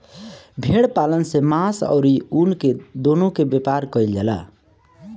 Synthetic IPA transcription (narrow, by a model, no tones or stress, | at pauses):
bʱeɽpalənsemasə̰ʊɾiunked̪onokebjepaɾkəild͡ʒɛla̰